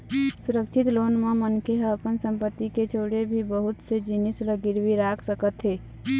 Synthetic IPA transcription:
suɾəkt͡ʃʰit̪lonmemənkeɦəpənsəmpət̪ːiket͡ʃʰoɽebʱibəɦut̪sed͡ʒinisləɡiɾbiɾakʰsəkət̪ɦe

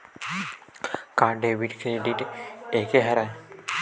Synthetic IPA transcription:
kãːɖeʋiʈkɾeːɖiʈeːkeɦɐɾa

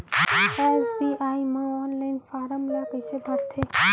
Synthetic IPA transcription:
ɛːsbiaːiməɔːnlaːɪnfaːɾəmlakəɪsebʱəɽt̪ʰeː

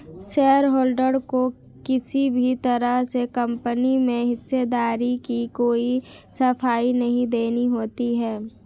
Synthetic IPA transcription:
ʃeːəɾɦoːlɖəɽko | kɪsibʱit̪ɐɾəɦsekɐ̃mpənimẽɦɪsːed̪aːɾikikoːi | sɐfaːinɐɦĩd̪eːniɦoːt̪iɦɛː

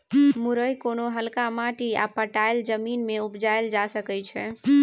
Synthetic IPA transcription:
muɾəjkonoɦəlkamaʈia̰pəʈajld͡ʒəminmeupd͡ʒajld͡ʒasəkɛt͡ʃʰɛ

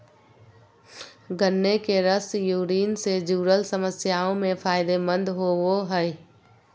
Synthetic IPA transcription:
ɡənːekeɾəsjuːɾiːnsed͡ʒuːɾəlsəməsjaːõmẽpʰaːɪd̪emə̃nd̪ʱɦoʋoɦə

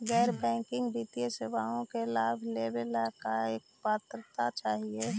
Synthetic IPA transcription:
ɡɛːɾbɛ̃ːkɪ̃ŋɡbit̪ijesebaːõkelaːbʱlebelakaeːk̚paːt̪ɾət̪at͡ʃaːɦie

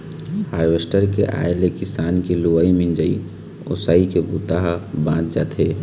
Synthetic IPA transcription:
haːɾʋesʈəɾkḛʔa̰ːelekɪsaːnkeluʋaimɪ̃nd͡ʒəi | o̰ːsaːikebut̪aɦbãːt̪̚d͡ʒaːt̪ɦeː

